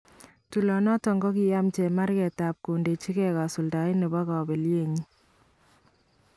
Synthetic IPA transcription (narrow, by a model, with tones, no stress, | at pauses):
tu˨lɔ˨nɔ˦tɔ˨ŋɡɔ˦ki˨ja˦mt͡ʃɛ˨ma˦ɾkɛ˨ta˨p̚ku˨nde˨t͡ʃi˦kɛ˦ka˨su˨lda˨˦ɪ˦nɛ˨bɔ˦kɔ˨be˨lje˦˨ɲi˦